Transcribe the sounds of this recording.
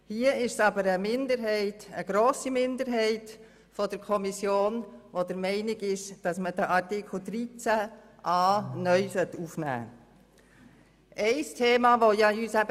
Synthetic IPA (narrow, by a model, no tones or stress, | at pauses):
hiəɪʃsɑbəɾəmɪnd̪əɾɦɛɪtəɡɾoːsimɪndəɾɦɛɪt | fɔd̥əɾkʰɔmisjoːnʋodəɾmɛɪnɪɡɪʃd̥ɑsməd̥əʔɑɾtɪkʰl̩d̥̪ɾit͡sæʔɑːnœʏsœtːufnæ̰ː | ʔɛɪstʰeːmɑːʋojɑyːsæbə